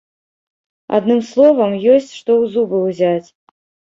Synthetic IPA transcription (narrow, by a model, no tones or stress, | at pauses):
a̰d̪nɨmslˠɔvɐmjɔsʲt͡sʲʂt̪ɔwzubɨwzʲat͡sʲ